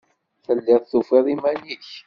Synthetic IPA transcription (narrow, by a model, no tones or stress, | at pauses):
θəlːɪðθufiðˤimæliç